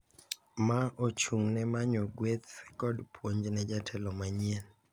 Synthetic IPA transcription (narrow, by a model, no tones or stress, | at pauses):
maʔot͡ʃuŋnɛmaɲoɡwet̪kɔdpʰwoɲd͡ʒnɛd͡ʒatʰɛlɔmaɲien